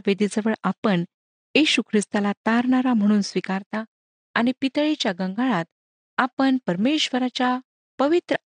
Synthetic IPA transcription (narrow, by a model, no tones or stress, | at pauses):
ʋed̪id͡zəʋəɭapəɳ | jiɕukʰɾist̪alat̪aɾɳaɾam̤əɽ̃uːnsʋikaɾt̪a | añipit̪əɭit͡ɕjaɡə̃ŋɡaɭat̪ | apəɳpəɾmeɕʋəɾat͡ɕja | pəʋit̪ɾə